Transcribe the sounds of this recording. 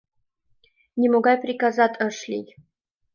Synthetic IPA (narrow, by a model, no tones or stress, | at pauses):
nʲɪmoɡajpɾʲikazat̪ʲaʂlʲḭj